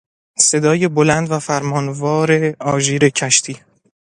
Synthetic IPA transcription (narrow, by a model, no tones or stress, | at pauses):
se̞d̪ɒːje̞bolænd̪væfæɾmɒːnvɒːɾe̞ɒːʒiːɾe̞cʰæʃt̪ʰiː